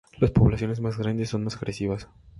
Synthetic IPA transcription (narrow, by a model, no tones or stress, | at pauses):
laspoβlasjo̞ne̞zmazɣɾand̪esːo̞nmasaɣɾesiβas